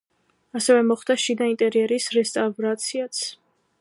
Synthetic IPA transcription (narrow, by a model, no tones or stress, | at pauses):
asɛvɛmɔχd̪aʃid̪aint̪ʼɛɾiɛɾisɾɛst̪ʼavɾat̪sʰiat̪sʰ